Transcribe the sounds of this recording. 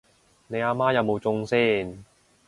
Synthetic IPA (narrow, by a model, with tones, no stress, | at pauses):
ne˨˧jaː˧maː˥jɐ˨˧wmo˨˧wt͡sʊ˧ŋsiː˥˩n